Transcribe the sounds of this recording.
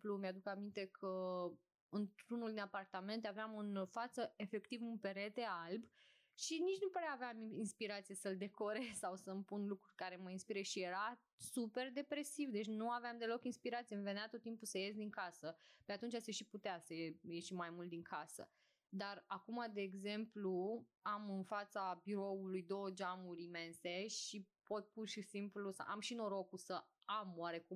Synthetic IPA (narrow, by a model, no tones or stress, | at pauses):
plumjad̪ukamint̪e̞kʰə | ɨnt̪ɾunuld̪inapart̪ame̞nt̪aveamɨnfat̪səe̞fe̞kt̪ivunpe̞ɾe̞t̪e̞alb | ʃinit͡ʃnupaɾeaːveaminspiɾat̪sijesəld̪e̞ko̞ɾesawsəmpunlukɾurʲkaɾe̞məinspiɾeʃije̞ɾa | supe̞rd̪e̞pɾe̞sivd̪e̞t͡ʃʲnuaveamd̪e̞lo̞kinspiɾat̪sijemve̞neat̪ot̪ːimpusəjes̬d̪iŋkasəpeat̪unt͡ʃaseʃiput̪easəejeʃimajmult̪̚d̪iŋkʰasə̰ | d̪arakumad̪e̞ːɡze̞mpluamɨnfat̪sabiɾo̞ulujd̪o̞wəd͡ʒamuɾʲime̞nse̞ʃipo̞t̪̚purʃisimplusə̰ʔa̰mʃino̞ɾo̞kusəamwaɾe̞ku